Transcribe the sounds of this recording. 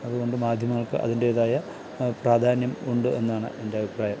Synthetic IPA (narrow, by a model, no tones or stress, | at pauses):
ɐðuɣo̞ɳɖɨmaːd̪ʱjɐmɐŋːɐɭkɨ̰ʔɐ̰ðinde̞ːðaːjɐ | praːd̪ʱaːnjɐmuɳɖɨe̞̰nːaːɳɨ̰ʔe̞ndeɐbʱipraːjɐm